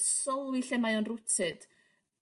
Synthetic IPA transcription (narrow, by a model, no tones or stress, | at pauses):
sɔlˠwiɬɛmajɔnrʊtʰɨd̥